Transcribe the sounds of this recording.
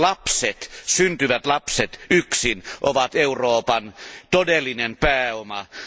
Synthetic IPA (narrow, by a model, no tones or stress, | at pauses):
lɑpset̪synt̪yʋæt̪lɑpset̪yksinʔoʋɑt̪euroːpɑnt̪odelːinempæːomɑ